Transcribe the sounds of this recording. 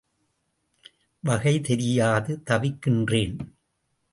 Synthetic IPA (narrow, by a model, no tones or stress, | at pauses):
ʋɐɣɐɪt̪ɛɾɪjaːðɯt̪ɐʋɪkːɪndreːn